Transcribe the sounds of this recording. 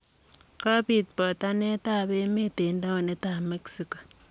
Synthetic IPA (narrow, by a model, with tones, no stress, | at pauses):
ka˦pi˨t̚pɔ˨ta˦ne˦ta˦˨be˦me˦te˨nda˦o˨ne˦ta˨me˦ksi˨kḁ˨